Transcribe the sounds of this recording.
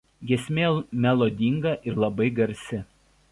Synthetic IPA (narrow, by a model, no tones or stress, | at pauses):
ɡʲiɛsʲmʲeːmʲɛlˠoːd̪ʲiŋɡɐʔɪɾlˠɐbɐɪɡɐɾʲsʲɪ